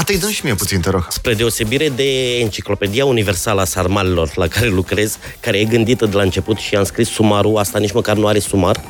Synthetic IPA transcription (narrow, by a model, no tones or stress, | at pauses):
at̪əjd̪ənʃimieput̪sint̪əɾoɡspɾe̞d̪e̞o̞se̞biɾe̞d̪e̞ːnt͡ʃiklo̞pe̞d̪iaunive̞rsaləasarmalelo̞rlakaɾe̞lukɾe̞z̥ | kaɾe̞je̞ɡɨnd̪it̪əd̪elaɨnt͡ʃe̞put̪ʃiamskɾisːumaɾuast̪anit͡ʃməkarnuaɾe̞sumar